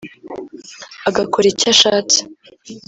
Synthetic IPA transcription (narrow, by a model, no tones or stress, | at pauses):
aɡakoɾecaʃaːti̥